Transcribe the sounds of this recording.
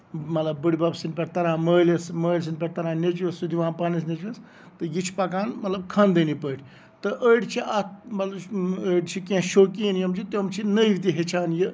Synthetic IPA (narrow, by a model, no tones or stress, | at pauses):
mɐt̪lɐbːəɽʲibɐbsinpʲeʈt̪ɐɾãːməːlɐsməːlʲs̬inpʲeʈt̪ɐɾãːnʲet͡ʃɐsud̪iʋãːnpɐnis̬net͡ʃɐs | t̪ɨjit͡ʃʰpɐkaːnmɐt̪lɐb̚kʰɐnd̪ɨnipəːʈʰʲ | t̪ɨʔəiɖt͡ʃʰiʔɐt̪mɐt̪lɐbəɖt͡ʃʰikẽʃoːkinjɐmt͡ʃʰit̪omt͡ʃʰinəiʋt̪iɦet͡ʃʰaːnji